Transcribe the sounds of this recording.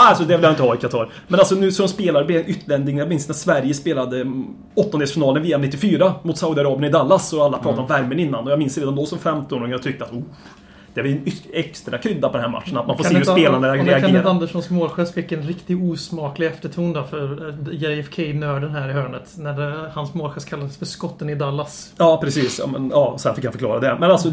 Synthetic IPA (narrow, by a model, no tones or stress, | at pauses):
alsɔd̪ɛvɪlhanɪnt̪əhɑːɪkʰat̪ʰɑːɾ | mɛnalsɔnʉ̟ːsɔd̪ɔmspeːlaɾəb̪ɛnʔʏt̪ːɭɛnd̪ɪŋjaɡmɪnsnæsvæɾjəspeːlad̪ə | ɔt̪ːɔnd̪eːsfɪnɑːlənviːanɪt̪ːɪfyːɾamʊt̪saʊd̪ɪaɾɑːbɪənɪd̪alːasɔalːapʰɾɑːt̪aɾɔ̃mvæɾmənɪnːanɔjɑɡmɪnsɾeːd̪and̪ɔsɔmfɛmt̪ɔnːɾɔŋnt̪ʰʏk̚t̪əat̪u | d̪̥ɛvnʏɛkst̪ɾakʰɾʏd̪ːapʰɔd̪ɛnhæːɾma̰t̪ːʂənat̪manfossːhʉspeːland̪əɾɛaɡ̪ɪand̪ɛʂɔnsmoːlɧɛːsfɪkːɛnɾɪkt̪ɪɡuːsmɑːklɪɛft̪əʈʰuːnd̪ɛfœɾjɛɛfkʰɛɪnøːɖənɦæːɾɪɦøːɳət̪næɖɛhansmoːlɧɛːskʰalːad̪əsfœskɔt̪ːənɪd̪alːasjɑːpʰɾɛsiːsɑ̰mɛ̰njɑːsɔhæːɾfɪkːhanfœɾklɑ̰ːɾad̪ɛmɛnalsɔ